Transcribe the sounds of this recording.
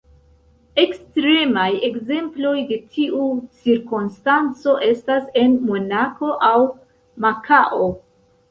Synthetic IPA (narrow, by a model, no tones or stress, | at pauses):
e̞kstɾe̞maje̞kze̞mplo̞jde̞tʰiʔut͡siɾkunstant͡so̞ʔe̞stase̞nmo̞nako̞ʔaw | makʰaʔo̞